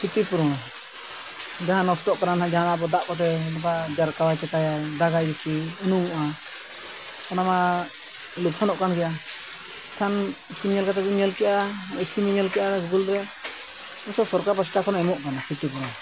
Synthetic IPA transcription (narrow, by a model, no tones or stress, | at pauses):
kit̪ipuɾɔɽ̃ | d͡ʒaɦanɔstɔʔkaɾanãd͡ʒaɦanabɔd̪aʔkɔt̪̬ɛnɔp̬ad͡ʒaɾkawajt͡ʃɛkajad̪aɡajɾit͡ʃiənuuʔa | tɔnama | lup̚sʰanɔʔkanɡɛjʔa | kʰanikimɲɔlkat̪̬ɛd͡ʒuɲɲɔlkɛʔaiskimiɲɔlkɛʔaɾsɡulɾɛ | ɔsɔsɔɾkapasʈakʰɔnɛmuʔkanakʰit̪ip̬uɾɔ